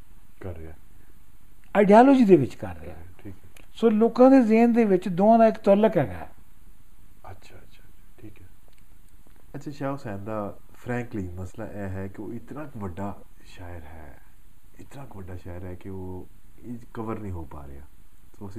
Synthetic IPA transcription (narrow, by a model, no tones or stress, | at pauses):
kəɾːeaː | aːɪɖijaːloːd͡ʒiːd̪eːʋɪt͡ʃkəɾːḛːa̰iːkː | soːloːkãːd̪eːzeːnd̪eːʋɪt͡ʃd̪oːãːd̪aːɪkt̪ɔlːəkɦɛːɡa̰ːɛ̰ː | ətːʃʰa | ʈʰiːkɛː | ətːʃʰaːʃaːʊsɛ̃ːnd̪aː | pʰɾɛ̃ːŋkliːməsla̰ːʔɛːɦɛːkioːɪt̪nãːkʋəɖːaː | ʃaːjəɾɦɛ̰ː | ɪt̪nãːkʋəɖaːʃaːjəɾɦɛːkioː | ekəʋəɾnĩːɦoːpa̰ːɾḛja̰ː | soːəsi